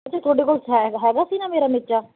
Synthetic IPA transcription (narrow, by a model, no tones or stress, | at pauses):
ət͡ʃʰaːt̪ʰoːɖeːkoːlsɦɛɦɛːɡaːsĩːnaːmeːɾaːmɪtːt͡ʃaː